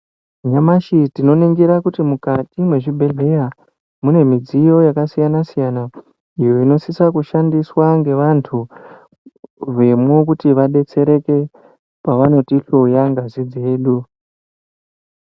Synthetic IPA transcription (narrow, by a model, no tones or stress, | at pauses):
ɲamaʃitino̞neŋɡiɾakutimukatimwe̞ʐibʱe̞ɮe̞ja | mune̞mid͡zijo̞jakasijanasijana | ijo̞ino̞sisakuʃandiswaŋɡe̞ʋantʰu | ʋe̞mwok̬utiʋaɗe̞t͡se̞ɾe̞ke̞ | paʋano̞tiɬoujaŋɡazid͡ze̞ːɗu